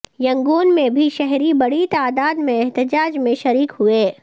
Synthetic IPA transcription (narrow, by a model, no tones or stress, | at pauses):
jɐ̃ŋɡuːnmẽbʱiʃɛɦɾibɐɽ̤it̪aːd̪aːd̪mẽɛɦt̪ɪd͡ʒaːd͡ʒmẽʃɐɾiːkhʊeː